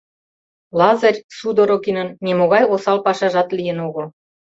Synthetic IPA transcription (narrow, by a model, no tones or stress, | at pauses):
lɑzərʲsud̪oɾokinənːemoɣɑjosɑlpɑʃɑʒɑt̪lijə̆noɣo